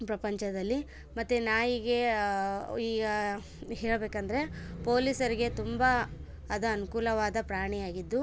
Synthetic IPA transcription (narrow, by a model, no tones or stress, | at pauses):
pɾɐpɐɲt͡ʃɐd̪ɐlːi | mɐt̪ːenaːjiːɡe | iːɡɐ | ɦɛːɭbeːkɐnd̪ɐɾe̞po̞ːlisɐɾiɡe̞t̪umbaː | d̪uɐnukuːlɐʋaːd̪ɐpɾaːɳijaːɡid̪ːu